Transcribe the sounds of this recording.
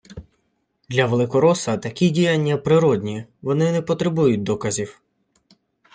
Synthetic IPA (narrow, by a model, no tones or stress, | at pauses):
d̪lʲɐʋelˠɪkɔɾɔsɐt̪ɐkʲidʲijanʲːɐpɾɪɾɔdʲnʲiʋɔnɪnɛpɔt̪ɾebujʊt̚ʲd̪ɔkɐzʲiw